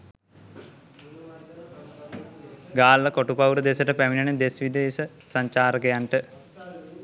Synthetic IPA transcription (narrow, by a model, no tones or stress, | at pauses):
ɡaːlːəkoʈupawɾəd̪esəʈəpæminaned̪esʋid̪eːsə | saɲt͡ʃaːɾəkejaɳʈə